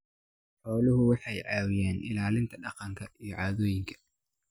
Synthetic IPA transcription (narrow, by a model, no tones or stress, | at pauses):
ħɔːlʊɦʊwɑħɑjʕɑːwɪjɛːnʔɪ̰laːlɪnt̪ʰɐɖɑqɑŋkʰɐijɞʕɑːðɔːjɪŋkʰɐ̥